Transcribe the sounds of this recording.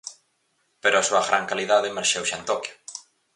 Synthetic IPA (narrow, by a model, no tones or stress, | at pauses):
peɾʊasuɐɣɾaŋkaliðaðemeɾʃewʃant̪ɔkjʊ̥